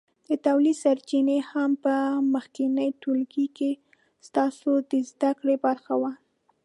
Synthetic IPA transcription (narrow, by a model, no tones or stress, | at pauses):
d̪̥ət̪awlisaɾt͡ʃinehampəməxkinəjʈolkike | st̪ɑsod̪əzd̪akɽebaɾxawa